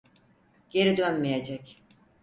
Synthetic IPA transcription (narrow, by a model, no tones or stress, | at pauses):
ɟ̥e̞ɾid̪ønmijed͡ʒɛc